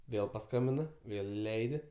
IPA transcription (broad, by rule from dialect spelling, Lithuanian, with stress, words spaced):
ˈʋʲeːlˠ pɐˈskɐmʲbʲɪnɐ ˈʋʲeːlˠ ɪˈlʲɛɪdʲɪ